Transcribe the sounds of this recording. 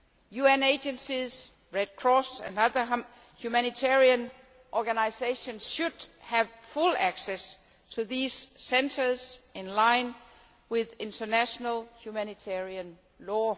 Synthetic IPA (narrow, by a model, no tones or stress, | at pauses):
juɛ̃neɪd͡ʒə̃nsiz̥ | ɹɛd̥̚kʰɹ̥ɔsɨ̰̃nʌðə˞ | hjumænitʰɛɹiə̃n | ʔɔɡænaɪseɪʃə̃nsʃud̥hævfulæksɛs | tʰuðiːz̥sɛ̃ntʰə˞zɪ̃nlãɪ̃n | wɪðɪ̃ntʰə˞næʃənəlˠhjumænitʰɛɹiə̃n | lɔː